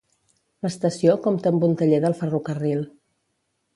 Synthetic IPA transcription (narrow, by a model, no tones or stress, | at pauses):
ləst̪əsiokɔmt̪əmbunt̪əʎeðəlˠfərukərilˠ